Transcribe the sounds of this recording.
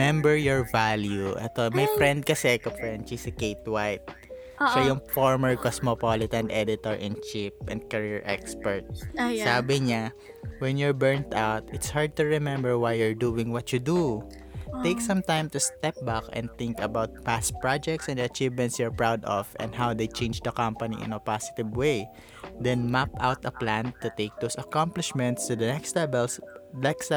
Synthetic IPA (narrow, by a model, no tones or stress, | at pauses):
ɛ̃mbɛɹjɔɹvaljuʔɛ̰t̪omɐjpɹɛnd̪̚kɐsɛkofɹɛnd̪̚t͡ʃisɪkejt̪wajt̪̚ | sojʊŋfoɹmɛɹkosmɔpolɪt̪ɐ̃nd̪ɛd̪ɪt̪ɔɹʔɛ̃nt͡ʃipʔɛ̰̃nd̪̚kɐɹiɹʔɛkspɛɹt̪̚saːbɪɲa | wɛ̃njʊɹbɛɹnt̪awt̪ɪt̪shaɹd̪̚t̪ʊɹɛmɛ̃mbɛɹwajjʊɹd̪uːwɪ̃ŋwɐtud̪u | t̪ejksɐ̃mt̪ãjmt̪ust̪ɛp̚bakɛ̰̃nd̪̚t̪ɪ̃ŋkɐbawt̪̚pas̚pɹad͡ʒɛk̚t̪sɛ̃nd̪ɐt͡ʃivmɛ̃ntsjʊɹpɹawd̪ɔ̰fɛ̰̃nd̪ɦawd̪ejt͡ʃẽɪnd͡ʒd̪ɐkãmpɐnḭʔɪ̰̃nɐpasɪ̥t̪ɪvwej | d̪ɛ̃nmapawt̪ɐplãnt̪ut̪eɪk̚d̪osɐkãmplɪʃmɛ̃nt̪st̪ud̪ɐnɛksd̪ɛbɛlsnɛks